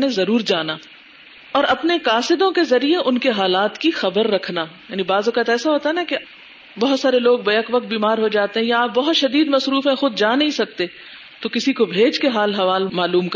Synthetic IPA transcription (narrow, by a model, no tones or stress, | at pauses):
nẽzɐɾuːɾd͡ʒaːnaː | ɔːɾɐpnekaːsɪd̪õkezɐɾieʔʊnkeɦaːlaːt̪kixɐbəɾːɐkʰnaːjaːnibaːzoːkaːt̪ɛːsaɦoːt̪aɦɛnake | bɐɦʊt̪saːɾeloːɡbɐjəkʋɐk̚t̪̚biːmaːɾɦod͡ʒaːt̪eɦɛ̃jaaːp̚bɐɦʊt̪ʃɐd̪iːd̪mɐsɾuːfɛ̃xʊd̪d͡ʒaːnɐɦĩsɐk̚t̪e | t̪okɪsikobʱeːd͡ʒkeɦaːlɦɐʋaːlmaːluːmk